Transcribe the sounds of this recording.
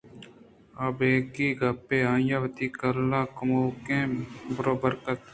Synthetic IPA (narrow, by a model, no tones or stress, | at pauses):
abeːkiːɡɐpeːãːjaːʋət̪iːkɐɾlaːkʊmoːkẽːbəɾoːbəɾkɐt̪